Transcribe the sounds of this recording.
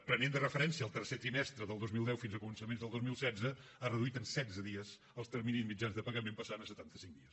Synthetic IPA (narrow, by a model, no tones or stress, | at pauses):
pɾənend̪ərəfəɾɛnsiəːlˠt̪ərset̪ɾimɛst̪ɾəðəlˠd̪ozmilˠd̪ɛwfinzəkumənsəmenzðəlˠd̪ozmilˠsɛd͡zzəarəðuit̪ənsɛzəðiəz | əlˠst̪ərminizmid͡ʒanzðəpəɣəmempəsanəsət̪ant̪əsiŋd̪iəs